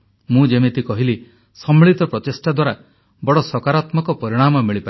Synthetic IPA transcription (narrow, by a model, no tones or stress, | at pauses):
mũd͡ʒemet̪ikɔɦili | sɔmiɭit̪ɔpɾɔt̪esʈad̪waɾa | bɔɽɔsɔkaɾat̪mɔkɔpɔɾiɽ̃amɔmiɭipa